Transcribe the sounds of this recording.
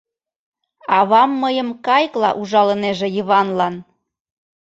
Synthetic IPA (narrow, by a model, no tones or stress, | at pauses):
ɑβɑmːəjəmkɑjklɑ̰ʔuʒɑlə̆neʒĕjəβɑnlɑn